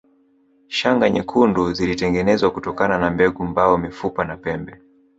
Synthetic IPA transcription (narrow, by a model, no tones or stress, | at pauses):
ʃaŋɡaɲɛkʰunduzilitɛŋɡɛnɛzwakutɔkananambɛɡumbaɔmifupanapɛmbɛ